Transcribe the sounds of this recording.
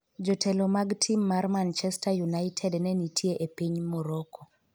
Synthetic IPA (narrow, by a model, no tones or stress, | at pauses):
d͡ʒɔtʰɛlɔmaɡtʰimːarmant͡ʃɛstajunajtʰɛdnɛnitʰjeʔepiɲmɔɾɔkɔ